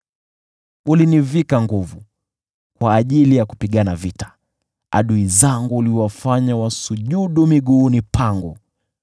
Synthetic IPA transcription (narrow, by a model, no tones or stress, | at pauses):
ulinivikaŋɡuvu | kwaːʄilijaku̥piɠanavitḁ | a̰ɗuizaŋɡuːliwafaɲawasuʄuɗumiɠuːnipʰaŋɡɔ